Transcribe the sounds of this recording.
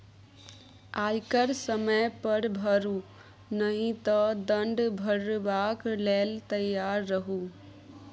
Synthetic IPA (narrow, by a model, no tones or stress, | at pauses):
ajkəɾsəməjpəɾbʱəɾu | nəɦĩt̪əd̪əɳɖbʱəɾbakleːlt̪əjːaɾːəɦu